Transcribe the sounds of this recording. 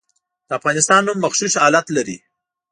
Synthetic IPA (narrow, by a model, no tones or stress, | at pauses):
d̪̥əafɣɑnɪst̪ɑnhʊmːaxʃuʃɑlat̪laɾḭ